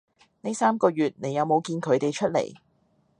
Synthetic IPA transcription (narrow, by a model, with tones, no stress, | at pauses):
ne˥jsaː˥mkɔː˧jyː˨t̚ne˨˥jɐ˨˧wmo˨˧wkiː˧nkʰɵ˨˧ɥt̪e˨jt͡ʃʰɵ˥t̚lḛ˨˩j